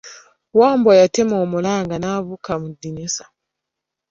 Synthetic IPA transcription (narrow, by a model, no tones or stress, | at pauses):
woːmbojatemoːmulaːŋɡanaβukamudinisḁ